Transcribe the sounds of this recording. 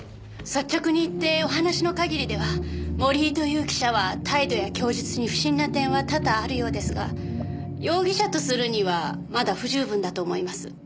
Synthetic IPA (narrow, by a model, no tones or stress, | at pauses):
sat͡ɕːakɯɲ̟iːt̪ːe̞o̞ɦanaɕino̞kaɡʲiɾʲid̪e̞βamo̞ɾʲiːt̪o̞jɯːkʲi̥ɕaβat̪ʰaid̪o̞jakʲo̞ːʑit͡sɨɲ̟iɸɯ̟̥ɕĩnːat̪ẽ̞ɰ̃βat̪ad̪aːɾɯ̟jo̞ːd̪e̞sɨɡa̰ | jo̞ːɡʲiɕat̪o̞sɨɾɯ̟ɲ̟iβa | mad̪aɸɯ̟ʑɨːbɯ̟̃nd̪at̪o̞ːmo̞imasɨ